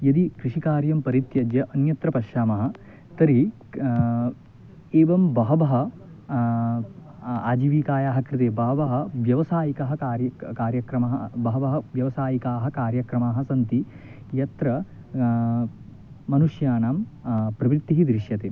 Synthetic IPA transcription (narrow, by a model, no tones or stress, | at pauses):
jɐd̪ikɾiʂikaːɾjɐmpɐɾit̪jɐd͡ʒjɐʔɐnjɐt̪ɾɐpɐʃjaːmɐɦɐ̆ | t̪ɐɾi | eːʋɐmbɐɦɐbɐɦɐ̆ | a̰ːd͡ʒiʋiːkaːjaːɦɐkɾit̪eːbɐɦɐʋɐɦɐ̆ʋjɐʋɐsaːjikɐɦɐkaːɾjɐkaːɾjɐkɾɐmɐɦɐbɐɦɐbɐɦɐʋjɐʋɐsaːjikaːɦɐ̆kaːɾjɐkɾɐmaːɦɐ̆sɐnt̪i | jɐt̪ɾɐ | ɐnuʂjaːnaːmpɾɐʋɾit̪ːiɦid̪ɾiʃjɐt̪eː